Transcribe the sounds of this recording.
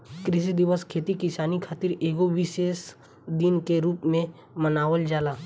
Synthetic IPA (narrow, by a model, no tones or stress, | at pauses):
kɾɪʃ̬id̪ɪʋəskʰeːt̪ikɪsaːnikʰaːt̪ɪɾeːɡoʋɪʃeːs | d̪ɪnkeɾuːpmẽ | mənaːʋəld͡ʒaːlaː